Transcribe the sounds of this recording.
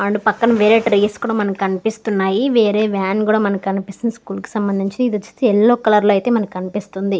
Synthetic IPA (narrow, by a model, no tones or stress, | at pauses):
ɐɳɖupɐkːɐnɐʋeːɾe̞ːʈɾeːskuːɽaːmɐnɐmkɐnipist̪unːaːjiʋeːɾeːʋaːnkuːɽaːmɐnɐmkikɐnipist̪inɐskuːlki̥sɐmbɐnd̪iɲt͡ʃinid̪ɐt͡ʃːu̥t̪eɛlːoːkɐlɐɾloːɐjt̪e̞ːmɐnɐkːikɐnipist̪und̪i